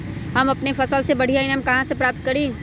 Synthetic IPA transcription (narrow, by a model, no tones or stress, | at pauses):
ɦɐmɐpnefɐsəlsebɐɽ̤iaːĩneɦɐmkɐɦãsepɾaːp̚t̪̚kɐɾi